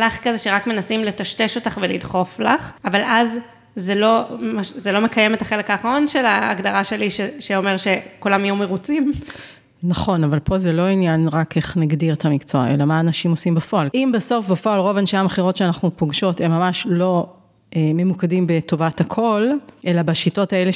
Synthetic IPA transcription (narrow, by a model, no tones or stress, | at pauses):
laχkazeʃeʁakme̞nasimle̞taʃte̞ʃo̞taχvelidχo̞flaχavalʔaz | zelo̞maʃzelome̞kajemet̪aχe̞lekaːχʁo̞nʃelaːɡdaʁaʃe̞liʃeʃeo̞meʁʃe̞kulamajumeʁut͡sim | naχo̞navalpo̞zelo̞injanʁakʰe̞χnaɡdiʁetʰamikt͡soae̞lamaːnaʃimosimbafo̞alimbeso̞fbefo̞alʁo̞vanʃameχiʁo̞tʃeanaχnupoɡʃo̞te̞mːamaʃlo̞ | ʔememukadimbeto̞vathakʰo̞lʔelabaʃito̞taele